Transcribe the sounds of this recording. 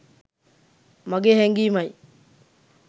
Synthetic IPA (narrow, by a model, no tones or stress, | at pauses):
maɡeheŋɡimaj